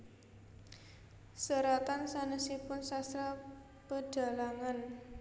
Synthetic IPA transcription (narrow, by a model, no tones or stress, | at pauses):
səɾat̪ansanəsipʊnsast̪ɾa | pəɖ̥a̤laŋan